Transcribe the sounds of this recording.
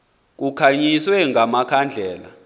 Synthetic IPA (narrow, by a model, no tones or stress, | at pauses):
k̬ukʰaɲiswɛŋʱamakʰand͡ɮʱɛːla̰